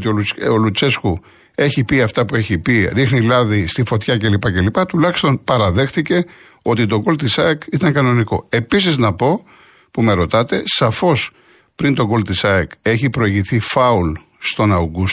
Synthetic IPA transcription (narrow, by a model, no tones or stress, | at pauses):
t̪ioolut͡se̞sku | e̞çipiɐft̪ɐpue̞çipiɾixnilɐðist̪ifo̞t̪çɐce̞lipɐce̞lipɐt̪ulɐçi̥st̪o̞npɐɾɐðe̞xθice̞ | o̞t̪it̪o̞ɡo̞lt̪isɐekit̪ɐŋkɐno̞niko̞̰e̞pisiznɐpo̞ | pume̞ɾo̞t̪ɐt̪e̞sɐfo̞s | pɾint̪o̞ɡo̞lt̪isɐeke̞çipɾo̞iʝiθifɐul | st̪o̞nɐɡus